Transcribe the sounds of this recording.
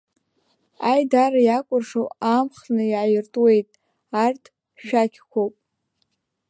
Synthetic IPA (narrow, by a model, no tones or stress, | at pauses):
ajdaɾajakʷʼʊrʂowamχnɨiʕajɪrtʼwe̞jtʼ | artʰ | ʃᶣakʲʰkʷʰowpʼ